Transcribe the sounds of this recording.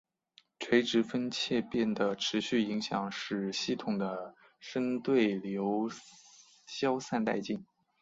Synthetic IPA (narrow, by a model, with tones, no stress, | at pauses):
ʈ͡ʂʰwe˧˥ɪʈ͡ʂɻ̩˧˥fə˥nt͡ɕʰjɛ˥˧pjɛ˥˩nd̪ə˩ʈ͡ʂʰɻ̩˧˥ɕy˥˩i˧˥ŋɕjɑ˨˩ŋʂɻ̩˥˩ɕi˥˩t̪ʰʊ˨˩ŋd̪ə˦ | ʂə˥nt̪we˥˩ɪljo˧˥ʊ | ɕjɑ˥ʊsa˥˧nt̪a̰˥˧ɪt͡ɕi˥˩ŋ